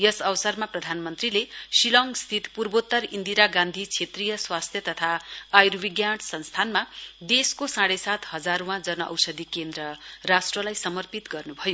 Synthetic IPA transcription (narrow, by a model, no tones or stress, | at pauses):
jʌsʌwsʌrmaprʌd̪ʱanmʌnt̪rilesilʌŋɡst̪ʰit̪purbot̪ːʌrind̪iɾaɡãnd̪ʱit͡sʰet̪rijʌswast̪ʰjʌt̪ʌt̪ʰaːjrbiɡjaʈsʌnst̪ʰanmad̪eskosãɽesat̪hʌd͡zaɾowãd͡zʌnʌʔʌ̰wsʌd̪ʱikend̪rʌrasʈrʌlajsʌmʌrpit̪ɡʌrnubʱʌjo